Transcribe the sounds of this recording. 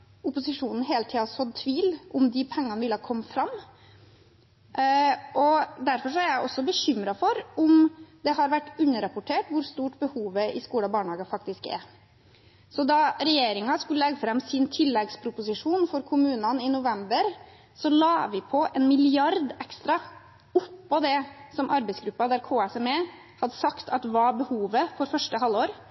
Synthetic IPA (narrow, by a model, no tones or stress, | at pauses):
ʊpʊsɪʂuːnn̩ɦeːlt̪ʰiːɑsɔt̪ʰʋiːlʔʊmd̪ɪpʰɛŋːɑnʋɪlːəhɑɾkʰɔmːfɾɑmː | ʔɔd̪æɾfɔɾʂ̬ɔæɾjæɪʔɔsːɔbəɕʏmɾɑfɔɾʊmd̪ɛhɑɾʋæʈːʉnːəɾɑpʊʈʰeːʈʋʊɾst̪uːʈbəhuːʋəɪskuːɽɑbɑːɳəhɑːɡəfɑkt̪ɪskɛ̰ɾ | sɔd̪ɑɾɛjeːɾɪŋɑskʉlːəlɛɡəfɾɑmːsɪnt̪ʰɪlːɛɡspʰɾʊpʊsɪʂuːnfɔɾkʰʊmʉːnɑnɪnʊʋɛmbəɾ | sɔlɑːʋɪpʰɔʔɛnmɪlɪɑɾd̪ɛkst̪ɾɑ | ʊpːɔd̪ɛsɔmʔɑɾbɛɪsɡɾʉpːɑd̪æɾkʰoːæsɔmɛ | hɑd̪əsɑkt̪ʰɑt̪ʋɑbəhuːʋəfɔɾfœʂʈəɦɑlːoːɾ